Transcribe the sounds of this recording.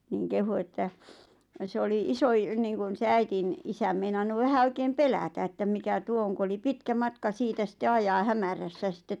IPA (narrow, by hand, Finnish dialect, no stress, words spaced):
niˑŋ kehu etːæ se oli isoi niːŋkun se æitin isæm meinɑnːu ʋæhæ oikeːm pelætæ etːæm mikæ tuo oŋ ku oli pitkæ mɑtkɑ siːtæ sitːe ɑjɑː hæmæræsːæ sitːet